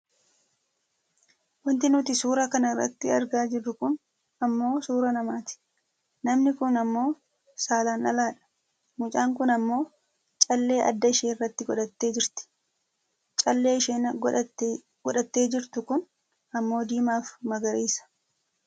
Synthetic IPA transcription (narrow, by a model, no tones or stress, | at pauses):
wɐnt̪ɪnʊt̪ɪsuːɾɐkɐnɐɪrːɐ̰t̪ːɪɐɾɡaːd͡ʒɪrːʊkʊn | ɐmːo̞ːsuːɾɐnɐmaːt̪ɪ̥ | nɐmnɪkʊnɐmːo̞ː | saːlaːnɐ̰laːᶑɐ̥ | mʊt͡ʃʼaːŋk̬ʊnɐmːo̞ː | t͡ʃʼɐlːe̞ːʔɐ̰d̪ːɐɪʃeːɪrːɐt̪ːɪɡɔᶑɐt̪ːe̞ːd͡ʒɪɾt̪ɪ̥ | t͡ʃʼɐlːe̞ːɪʃeːnɡ | ɡ̥ɔᶑɐt̪ːeːd͡ʒɪɾt̪ʊkʊn | ɐmːo̞ːd̪iːmaːfmɐɡɐɾiːsɐ̥